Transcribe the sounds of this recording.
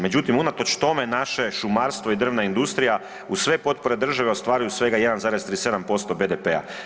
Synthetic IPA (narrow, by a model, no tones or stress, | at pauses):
me̞d͡ʑut̪imunat̪o̞t͡ʃt̪o̞me̞naʃe̞ʃumaːɾst̪ʋo̞id̪r̩ʋnaind̪ust̪ɾija | usʋe̞po̞t̪̚po̞ɾe̞d̪r̩ʒaʋe̞o̞st̪ʋaːɾujusʋe̞ɡaje̞d̪anzaːɾe̞zt̪ɾiːse̞d̪ampo̞st̪o̞be̞d̪epea̰